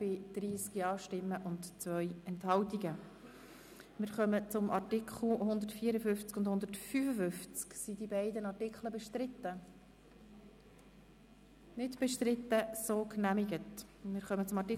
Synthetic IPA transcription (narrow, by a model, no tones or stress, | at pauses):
b̥ɪd̪̥ɾiːskiɑːʃtɪmːəʔʊntt͡svœjɛnthɑltiɡə | mɪɾχœmət͡sʊmʔɑɾtɪkʰχl̩hʊnd̪ətfiːəɾəfʏnft͡skʊndhʊnd̪ətfyfəfʏft͡sksidibæɪdənɑrtɪkχləbɛʃtɾɪtːə | nɪdb̥ɛʃtɾɪtːəsoːknæmiɡətmɪːɾχœmət͡sʊmɑtɪ